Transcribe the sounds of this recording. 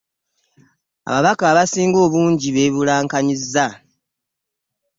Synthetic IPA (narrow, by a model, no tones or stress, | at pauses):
a̰βaβakaːβasiːŋɡo̞ːβuːɲɟiβe̞βulaːŋkaɲizːa